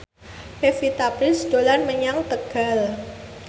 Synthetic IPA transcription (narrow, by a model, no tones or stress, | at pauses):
pefit̪apɾɪsd̥olanməɲaŋt̪əɡ̥a̤l